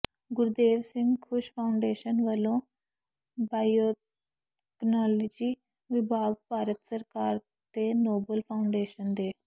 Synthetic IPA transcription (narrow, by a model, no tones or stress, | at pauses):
ɡʊɾd̪eːʋsɪ̃ŋɡkʰʊʃpʰaːʊɳɖeːʃənʋəlõː | baːjoː | ɛknɔːlɔːd͡ʒiː | ʋɪbʱaːɡ̚paːɾət̪səɾkaːɾ | t̪eːnoːbəlpʰaːʊɳɖeːʃənd̪eː